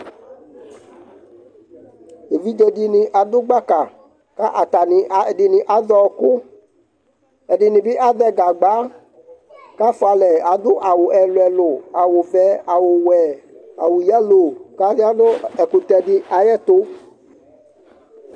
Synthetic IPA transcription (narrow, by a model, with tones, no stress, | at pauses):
e˨vi˦d͡ʒɛ˧ɖɪ˦nĩ˦ʔa˨d̪ʊ˦ɡ͡ba˦ka˨ | ka˦ʔa˨t̪a˨ni˨ɖɪ˨nĩ˨ʔa˨ðɔ˦kʊ˦ | ɛ˨ɖɪ˨nĩ˨bi˦ʔa˦ðɛ˦ɡa˨ɡ͡ba˨˦ | ka˦fʊ˦a˧lɛ˨a˨d̪ʊ˦ʔa˨wʊ˨ʔɛ˨lʊ˨ɛ˨lʊ˨a˨wo˨vɛ˨˦a˨wo˨wɛ˨a˨wo˨ja˦lo˨ka˦di˦a˦nʊ˦ɛ˨ku˨t̪ɛ˧ɖɪ˦ʔa˨jɛ˦t̪o˦